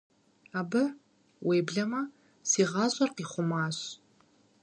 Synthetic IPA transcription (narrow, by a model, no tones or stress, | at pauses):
aːbɨʕ | wʔeːbɮɐmɐ | siːʁɑːzʷʼɐrqiːχʷʊmaːɕ